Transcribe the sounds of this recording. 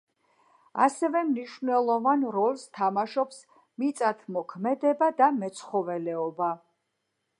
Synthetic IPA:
a̰sɛvɛmniʃvnɛlˠɔvanɾɔlˠst̪ʰamaʃɔps | mit̪sʼat̪ʰmɔkʰmɛd̪ɛbad̪amɛt̪sʰχɔvɛlɛɔba

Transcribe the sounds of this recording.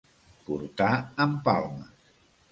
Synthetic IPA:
puɾt̪aəmpalˠmə

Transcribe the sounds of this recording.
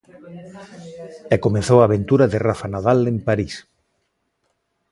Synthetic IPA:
ɛkomeθowaːβ̞ent̪uɾaðerafanaðalempaɾis

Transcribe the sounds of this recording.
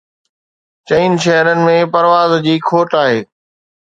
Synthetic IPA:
t͡ɕɐinʃɛɦɾənɪ̆mẽpɐɾʋaːzd͡ʑiːkʰoːʈaːɦeː

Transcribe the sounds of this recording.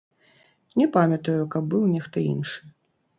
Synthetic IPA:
nʲɛpamʲɐt̪ujukɐb̚bɨwnʲɛxt̪ɔḭnʂɨ

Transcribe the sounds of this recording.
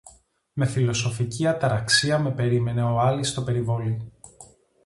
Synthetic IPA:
me̞filo̞so̞ficiɐt̪ɐɾɐksiɐme̞pe̞ɾime̞ne̞o̞ɐlist̪o̞pe̞ɾivo̞li

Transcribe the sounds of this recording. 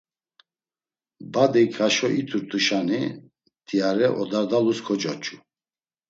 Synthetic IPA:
bad̪ikʰaʃɔʔit̪ʰuɾt̪ʼuʃani | t̪ʰiaɾɛʔɔd̪ad̪aluskʰɔt͡ʃʼɔt͡ʃʼu

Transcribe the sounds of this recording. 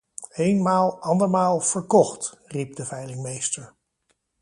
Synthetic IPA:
ejnmaːlˠɑndəɹmaːlˠv̥əɹkɔχtrip̚dəvɛjlɪŋmejstəɹ

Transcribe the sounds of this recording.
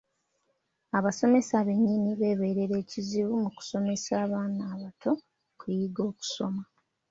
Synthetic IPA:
aβaso̞me̞saβe̞ɲːiniβe̞ːβe̞ːɾe̞ɾe̞ːciziβumuku̥so̞me̞saːβaːnaːβatʰo̞ | kujiɡo̞ːku̥so̞ma

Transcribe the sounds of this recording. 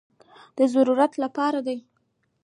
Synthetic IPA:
d̪̥əzaɾuɾat̪lapɑɾad̪aj

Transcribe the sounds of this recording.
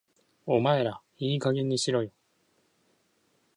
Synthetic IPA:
omaeɾa | iːkaɡiɲiɕiɾʌjo

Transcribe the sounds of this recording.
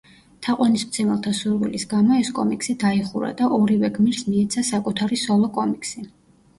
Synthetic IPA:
t̪ʰaqʼwanismt̪sʰɛmɛlˠt̪ʰasuɾwḭlisɡamɔɛskʼɔmikʰʼsid̪aiχuɾa̰d̪aʔɔɾivɛɡmiɾsmiɛt̪sʰasakʼut̪ʰaɾisɔlˠɔkʼɔmikʼsi

